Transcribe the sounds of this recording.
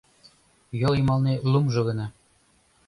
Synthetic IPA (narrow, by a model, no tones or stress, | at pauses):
jolimɑlnelumʒɤ̆ɣɤ̆nɑ